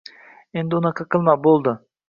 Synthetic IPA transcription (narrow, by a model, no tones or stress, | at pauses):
end̪ɪunɑqʰəqʰɯlˠmɑbolˠd̪ʊ